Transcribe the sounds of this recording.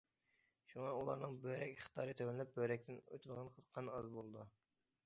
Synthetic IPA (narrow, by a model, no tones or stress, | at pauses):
ʃuŋɑulˠɑ̰ɾnɨŋbøɾɛkʲχt̪ʰɑːɾɨt̪ʰøwlɪnɪp̚bøɾɛk̚ʲt̪ʰɪnø̰t̪ʰyd̪əʁɑnqʰəqʰɑnɑzbolˠɨd̪u